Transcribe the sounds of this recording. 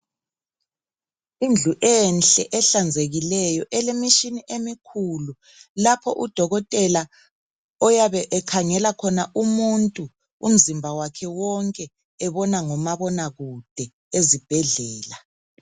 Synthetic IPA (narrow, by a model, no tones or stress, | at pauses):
ind͡ɮʱuʔɛnɬʼɛʔɛɬand͡zʱeɣilɛjɔʔɛlemiʃiniʔemikʰulu | lapʰɔʔud̥ʱɔɣɔtʼɛla | ɔjaβɛʔɛkʰaŋɛlakʰɔnaʔumuntʼu | ṵm̩zimbʱawakʰɛwɔŋkʼɛ | ɛβɔnaŋɔmaβɔnaɣud̥ʱɛ | ezib̥ʱɛɮɛːla